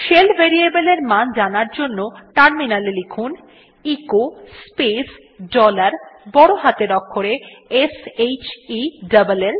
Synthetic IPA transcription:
ʃelbʱeɾiebeleɾmand͡ʑanaɾd͡ʑonːoʈaɾminalelekʰun | ikospes | ɖɔlaɾbɔɽoɦat̪eɾɔkʰːoɾeesejt͡ɕiɖabalel

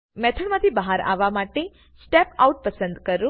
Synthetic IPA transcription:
mɛt̪ʰəɽmãt̪ʰibəɦaɾa̰ʋamaʈe | sʈɛpa̰uʈ̚pəsənd̪kəɾũ

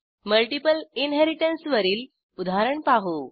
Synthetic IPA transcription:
məlʈipəlinɦeɾiʈənsʋəɾiːl | ud̪ʱaɾəɳpaɦuː

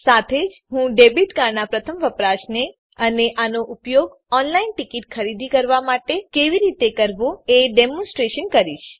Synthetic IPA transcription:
sat̪ʰed͡ʒɦũɖebiʈ̪ɡanapɾət̪ʰəmʋəpɾaʃne | əneʔanoʔupjoɡ | ɔnlainʈikiʈkʰəɾid̪ʱikəɾʋamaʈekeʋiɾit̪ekəɾʋũeɖemɔ̃nsʈɾeʃənkəɾiʃ

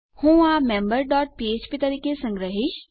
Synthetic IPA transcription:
hũːaːmẽːmbəɾɖɔːʈ̚pieːd͡ʒpit̪ɐɾiːkesɐ̃ŋɡɾəɦɪʃ

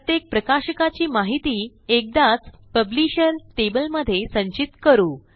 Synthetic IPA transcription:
ət̪jek̚pɾəkaɕəkat͡ɕiːmaɦit̪iː | ek̚d̪at͡spəbliɕəɾt̪ebəlməd̪ʱːjesə̃ɲt͡ɕit̪kəɾuː

